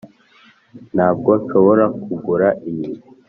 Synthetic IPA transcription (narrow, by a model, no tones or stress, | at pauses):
n̥haːb̚ɡoʃoβoɾakuɡuɾaʔijii